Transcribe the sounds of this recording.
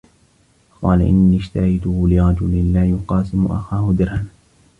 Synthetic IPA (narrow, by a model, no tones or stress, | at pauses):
qɑːlaʔɪ̰nːiːɪʃt̪ahajt̪ʊhʊlɪɾˤɑd͡ʒʊlɪnlaːjʊqɑːsɪmʊʔa̰xaːhʊd̪ɪɾhan